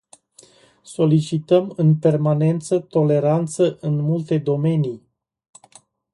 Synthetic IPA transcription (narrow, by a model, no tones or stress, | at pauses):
so̞lit͡ʃit̪əmɨnpe̞rmane̞nt̪sət̪o̞le̞ɾant̪səʔɨnmult̪e̞d̪o̞me̞ni